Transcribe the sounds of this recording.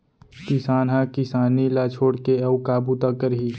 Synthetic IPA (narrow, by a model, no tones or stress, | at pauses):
kɪsaːnɦãkɪsaːnilat͡ʃʰoːɽkeɐʊkaːbut̪akəɾɦiː